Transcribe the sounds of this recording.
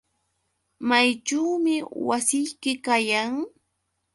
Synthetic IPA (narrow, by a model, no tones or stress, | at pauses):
majʈ͡ʂawmɪwasɪjkɪkajaŋ